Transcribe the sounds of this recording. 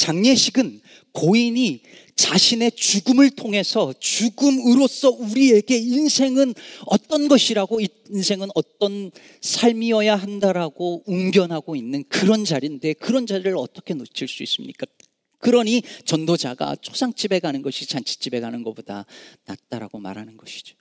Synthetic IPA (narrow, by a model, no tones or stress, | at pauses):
t͡ɕaŋɲeɕʰiɡɯn | koiɲi | t͡ɕaɕʰine̞t͡ɕuɡɯmɯɭtʰoŋɦe̞sʰʌt͡ɕuɡɯmɯɾos͈ʌuɾie̞ɡe̞insʰe̞ŋɯnʌt͈ʌnɡʌɕʰiɾaɡoi | nsʰe̞ŋɯnʌt͈ʌn | sʰaɭmiʌjaɦandaɾaɡouŋbjʌnɦaɡoinːɯnkɯɾʌnd͡ʑaɾinde̞kɯɾʌnd͡ʑaɾiɾɯɭʌ̰t͈ʌkʰe̞not͡ɕʰiɭs͈uḭs͈ɯmɲik͈a | kɯɾʌnɲit͡ɕʌndod͡ʑaɡa̰t͡ɕʰo̥sʰaŋt͡ɕ͈ibe̞ɡanɯnɡʌɕʰit͡ɕant͡ɕʰi̥t͡ɕ͈ibe̞ɡanɯnɡʌboda̰na̰t̚t͈aɾa̰ɡ̥oma̰ɾɦanɯnɡʌɕʰi̥d͡ʑo̥